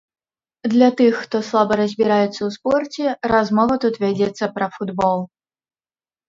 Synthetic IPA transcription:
d̪lʲat̪ɨxːt̪ɔslˠabɐɾɐzʲbʲiɾajɛt̪sːɐwspɔrt͡sʲɛrazmɔvɐt̪ut̪vʲad͡zʲɛt̪sːɐpɾɐfud̪bɔlˠ

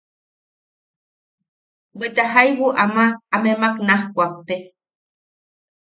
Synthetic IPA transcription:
wet̪aɦajwuʔamaːmemaknahkʷak̚t̪e

